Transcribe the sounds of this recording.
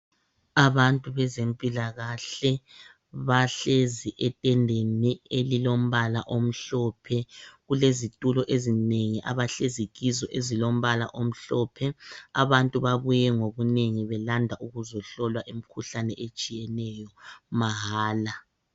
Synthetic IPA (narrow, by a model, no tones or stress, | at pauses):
aβantʼuβɛzempʼilaɣaɬɛ | βaɬeziʔɛtʼɛndʱenielilom̩βala̰ʔom̩ɬɔpʰɛɣulezitʼulɔʔezineŋiʔaβaɬeziɣizɔʔezilom̩βala̰ʔom̩ɬɔːpʰɛaβantʼuβaβujɛŋoβuneŋiβɛlandʱaʔuɣuzɔɬɔlwaʔem̩kʰuɬanɛʔet͡ʃʼijɛnɛjɔmaɦaːla